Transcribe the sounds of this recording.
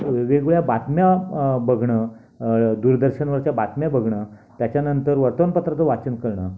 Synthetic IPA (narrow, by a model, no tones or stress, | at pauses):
eʋeɡuɭjabat̪mjabəɡʱɳə | d̪uɾd̪əɾɕəɳʋəɾt͡ɕjabat̪mjabəɡʱɳət̪jat͡ɕjanənt̪əɾʋəɾt̪əʋənpət̪ɾət̪əʋat͡ɕənkəɭɳa